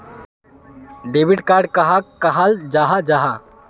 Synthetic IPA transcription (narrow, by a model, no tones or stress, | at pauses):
ɖebiʈkaɾɖkəɦakəɦald͡ʒaɦad͡ʒaɦa